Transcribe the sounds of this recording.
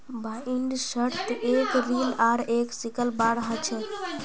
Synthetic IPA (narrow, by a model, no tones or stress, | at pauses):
baiɳɖsəɾt̪ekɾilaɾeksikəlbaɾɦət͡ʃʰə